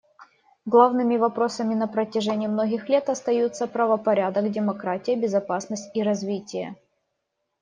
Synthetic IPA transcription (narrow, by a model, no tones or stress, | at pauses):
ɡlˠavnɨmʲɪvɐpɾo̞səmʲɪnəpɾətʲɪʐɛnʲɪːmno̞ɡʲɪxlʲe̞t̪ɐst̪ɐjut̪səpɾəvəpɐɾʲad̪əkdʲɪmɐkɾatʲɪjəbʲɪzɐpasnəsʲtʲiɾɐzvʲitʲɪjə̰